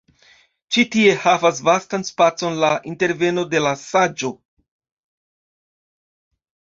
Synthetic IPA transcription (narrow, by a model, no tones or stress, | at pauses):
t͡ʃitie̞havas̬vastanspat͡so̞nlaʔinte̞ɾve̞no̞de̞lasad͡ʒo̞